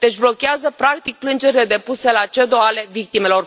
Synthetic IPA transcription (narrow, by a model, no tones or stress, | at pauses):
d̪e̞t͡ʃblo̞kʲeazəpɾak̚t̪ik̚plɨnd͡ʒe̞ɾile̞d̪e̞puse̞lat͡ʃe̞d̪oale̞vik̚t̪ime̞lo̞r